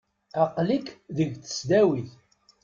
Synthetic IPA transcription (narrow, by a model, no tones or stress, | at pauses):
ɑqlikðəʝt͡sə̥sd̪æwiθ